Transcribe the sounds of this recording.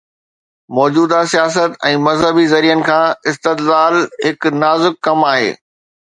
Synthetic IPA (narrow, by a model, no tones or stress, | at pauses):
mɔːd͡ʑuːd̪asijaːs̬ət̪ɛ̃ːmɐzɦəbizɐɾijənɪ̆kʰãːɪst̪ɪd̪laːlɦɪknaːzɪkːɐmaːɦḛː